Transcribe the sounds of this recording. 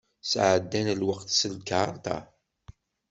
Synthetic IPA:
sʕəd̪ːænlwəqt̪səlkaʕɾt̪ɑ̰

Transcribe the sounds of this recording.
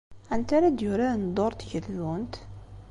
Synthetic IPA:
ænt̪aɾad̪jʊɾand̪ˤoɾˤt̪çəlːunt̪

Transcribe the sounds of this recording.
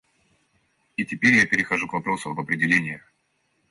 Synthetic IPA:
itʲɪpʲeɾʲjapʲɪɾʲɪxɐʐukvɐpɾo̞sʊɐbɐpɾʲɪdʲɪlʲenʲɪjə

